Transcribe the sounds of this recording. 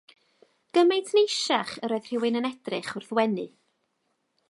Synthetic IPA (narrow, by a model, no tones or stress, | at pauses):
ɡ̥əmejtʰnejʃaχəɾoːɨðr̥ɪwɨnənɛd̥rɨχʊrθwɛnɨ